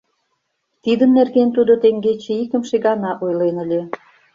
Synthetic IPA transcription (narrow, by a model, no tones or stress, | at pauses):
t̪id̪ənːerɣent̪ud̪ot̪eŋɡet͡ɕĕikə̆mʃeɣɑnɑʔojlenə̆lʲe